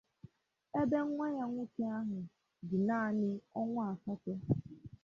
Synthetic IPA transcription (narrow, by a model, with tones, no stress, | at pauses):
e˦be˦ŋ̩˦ŋʷa˦ɲa˦ŋʷu˦ke˦a˦ɦʊ˨ | dɪ˨naː˦˨nɪ˦ɔ˦ŋʷʊ˦a˨fɔ˦tʊ˦